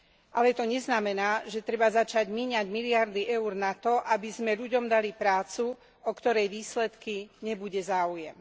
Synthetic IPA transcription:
ʔalɛt̪ɔɲɛznamɛnaːʒɛt̪ɾɛbazat͡ʃaɟmiːɲaɟmiliaɾd̪iʔɛuɾnat̪ɔʔabizmɛʎuɟɔmd̪alipɾaːt͡su | ɔkt̪ɔɾɛjʋiːslɛt̪kiɲɛbuɟɛzaːujɛm

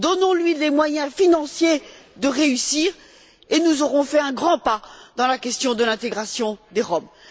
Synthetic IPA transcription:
d̪ɔnɔ̃lɥilemwajɛ̃finɑ̃sjed̪əʁeysiːʁ | enuzɔʁɔ̃fɛɛ̃ɡʁɑ̃pad̪̥ɑ̃lakʲɛst̪jɔ̃d̪əlɛ̃t̪eɡʁasjɔ̃d̪eʁɔm

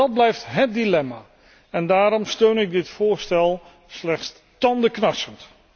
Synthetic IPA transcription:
ɑd̚blɛjftɦət̚dilɛmaː | ɛndaːɾɔmstøɥnɪɡ̚dɪtfʊːɹstɛlˠ | slɛχts | tɑndəknɑɹsənt

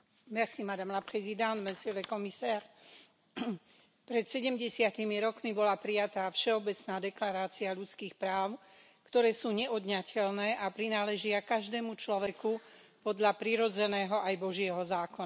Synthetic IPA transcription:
mɛsimad̪amlapχɛzid̪ãnd̪mɛsɛlɛkɔmisaːɾ | pɾɛt̪sɛɟɛmɟɛsɪat̪imiɾɔkmibɔlapɾijat̪aːfʃɛɔbɛt͡snaːd̪ɛklaɾaːt͡siaʎut͡skiːxpɾaːʊ | kt̪ɔɾɛːsuːɲɛʔɔd̪ɲacʰɛlnɛːʔapɾinaːlɛʒɪakaʒd̪ɛːmut͡ʃlɔʋɛku | pɔd̪ʎapɾiɾɔd͡zɛnɛːɦɔʔajbɔʒɪɛɦɔzaːkɔna

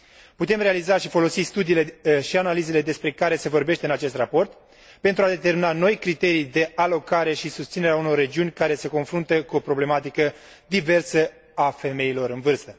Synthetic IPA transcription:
put̪e̞mre̞alizaʃifo̞lo̞sist̪ud̪iːle̞ʃianalize̞le̞d̪e̞spɾe̞kaɾe̞se̞vo̞rbe̞ʃt̪e̞ɨnat͡ʃe̞st̪rapo̞rt̪ | pent̪ɾuad̪et̪e̞rminano̞jkɾit̪e̞ɾijd̪e̞ʔalo̞kaɾe̞ʃisust̪sine̞ɾeauno̞rːe̞d͡ʒiunʲkaɾe̞se̞ko̞nfɾunt̪əkuo̞pɾo̞ble̞mat̪ikə | d̪ive̞rsə | afe̞me̞ilo̞ɾɨnvɨrst̪ə

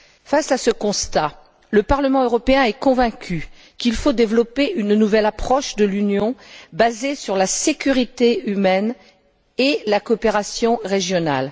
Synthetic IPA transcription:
fasasəkɔ̃st̪a | ləpaʁləmɑ̃øʁɔpeɛ̃ɛkɔ̃vɛ̃kʲʰy | kilfod̪evlɔpeʔynnuvɛlapχɔʃd̪əlynjɔ̃bazesyʁlasekʲyʁit̪eymɛn | elakɔːpeʁasjɔ̃ʁeʒjɔna̰l

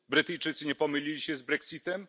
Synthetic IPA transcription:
bɾɘt̪ɘjt͡ʂɘt̪sɘɲɛpɔmɘlʲilʲiɕɛzbɾɛksʲit̪ɛm

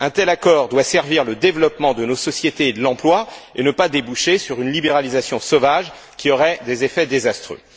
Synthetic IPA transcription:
ɛ̃t̪ɛlakɔʁd̪wasɛʁviʁləd̪evlɔpmɑ̃d̪ənosɔsjet̪eːd̪əlɑ̃plwaenəpad̪ebuʃesyʁynlibeʁalizasjɔ̃sovaʒ | kʲiɔʁɛd̪ezefɛd̪ezast̪χø̰

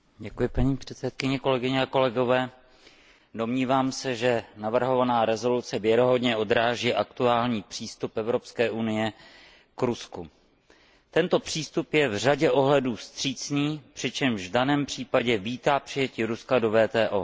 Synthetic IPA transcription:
ɟɛkujɪpaɲiːpr̥ɛt̪t͡sɛt̪̚kɪɲɛko̞lɛɡɪɲɛako̞lɛɡo̞vɛː | do̞mɲiːvaːmsɛʒɛnavr̩ɦo̞vanaːɾɛzo̞lut͡sɛvjɛɾoɦo̞dɲɛo̞d̪ɾaːʒiːʔakt̪uaːlɲiːpr̝̥iːst̪upɛvɾo̞pskɛːʔunɪjɛ | kɾusku | t̪ɛnt̪o̞pr̝̥iːst̪upjɛvr̝aɟɛʔo̞ɦlɛduːst̪r̝̥iːt͡sniːpr̝̥ɪt͡ʃɛmʒvdanɛːmpr̝̥iːpaɟɛviːt̪aːpr̥ɪjɛcɪɾuskado̞vɛːt̪ɛːʔoː

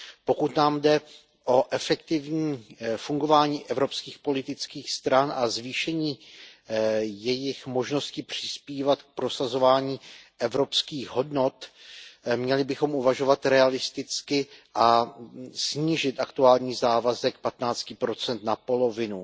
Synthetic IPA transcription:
po̞kut̪naːmdɛ | ʔo̞ʔɛfɛk̚t̪ɪvɲiːfuŋɡo̞vaːɲiːʔɛvɾo̞pskiːxpo̞lɪt̪ɪt͡skiːxst̪ɾanazviːʃɛɲiː | jɛjɪxmo̞ʒno̞scɪpr̝̥ɪ̥spiːvat̪k̚pɾo̞sazo̞vaːɲiːʔɛvɾo̞pskiːɣɦo̞dno̞t̪ | mɲɛlɪbɪxo̞mʔuvaʒo̞vat̪ɾɛalɪst̪ɪt͡skɪʔa | sɲiːʒɪt̪ʔakt̪uaːlɲiːzaːvazɛk̚pat̪naːt͡scɪpɾo̞t͡sɛnt̪napo̞lo̞vɪnu

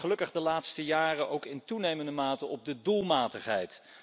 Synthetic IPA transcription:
χəlɵkəχdəlaːtstəjaːrəʔowkɪntunejməndəmaːtəɔb̚dədulˠmaːtəχɦɛjt

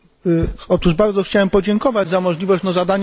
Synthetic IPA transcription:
ɔt̪uʐbaɾd̪zɔxt͡ɕawɛmpɔd͡ʑɛŋkɔvad͡ʑzamɔʐlʲivɔɕt͡ɕnɔzad̪aɲ

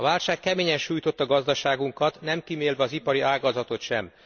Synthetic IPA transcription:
ɒvaːlʃaːkːɛmeːɲɛnʃuːjt̪o̞t̪ːɒɡɒzd̪ɒʃaːɡuŋkɒt̪nɛmkimeːlvɛɒzipɒɾiaːɡɒzɒt̪o̞t̪ʃɛ̰m

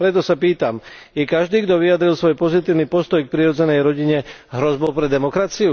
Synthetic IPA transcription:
pɾɛt̪ɔsapiːt̪amjɛkaʒd̪iːɡd̪ɔʋijad̪ɾilˠsʋɔjpɔzit̪iːʊnipɔst̪ɔjk̚pɾiɾɔd͡zɛnɛjɾɔɟiɲɛɦɾɔzbɔʊpɾɛd̪ɛmɔkɾat͡siu

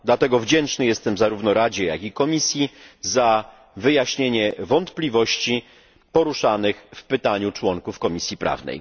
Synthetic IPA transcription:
d̪lat̪ɛɡɔvd͡ʑɛnt͡ʂnɘjɛst̪ɛmzaɾuvnɔɾad͡ʑɛja̰kikɔmʲisʲjiza | vɘjaɕɲeɲɛvɔnt̪plʲivɔɕt͡ɕi | pɔɾuʂanɘxfpɘt̪aɲut͡ʂwɔŋkufkɔmʲisʲjipɾa̰vnɛ̰j

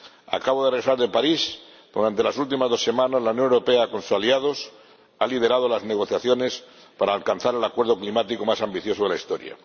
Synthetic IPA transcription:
a̰kaβoðeresaɾðe̞paɾis | d̪̥uɾant̪e̞lasult̪̬imazðo̞sːe̞mãnazlaunjo̞newɾo̞peako̞nsusaliað̞o̞s | alið̞e̞ɾað̞olazne̞ɣ̞o̞θjaθjo̞ne̞s | paɾaːlkanθaɾe̞lakwe̞ɾð̞o̞klimat̪iko̞masambiθjo̞soðelaist̪o̞ɾja̰

